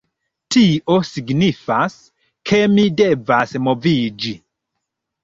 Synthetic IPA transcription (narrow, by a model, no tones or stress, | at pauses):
tiʔosiɡnifas | kʰemidevasmovid͡ʒi